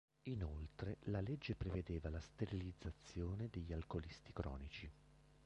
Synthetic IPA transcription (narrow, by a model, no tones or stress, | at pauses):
inolt̪ɾelaled͡ʒːepɾeved̪eːvalast̪eɾilid̪zːat̪sːjoːned̪eʎːalkolist̪ikɾɔ̰ːnit͡ʃi